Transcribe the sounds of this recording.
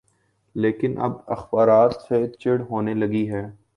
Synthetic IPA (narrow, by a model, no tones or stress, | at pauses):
leːkɪnʔɐ̰bɐ̰xbaːɾaːt̪set͡ʃɪɽɦoːnelɐɡiɦɛː